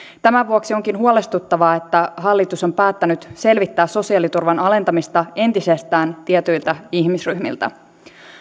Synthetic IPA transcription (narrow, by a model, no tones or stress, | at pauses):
t̪æmæʋuoksio̞ŋkinhuole̞st̪ut̪ːɑʋɑet̪ːæɦɑlːit̪uso̞mpæːt̪ːænyt̪se̞lʋit̪ːæːsso̞siɑlit̪urʋɑnɑle̞nt̪ɑmist̪ɑe̞nt̪ise̞st̪æːnt̪iet̪yjlt̪æiçmisryhmḭlt̪æ̰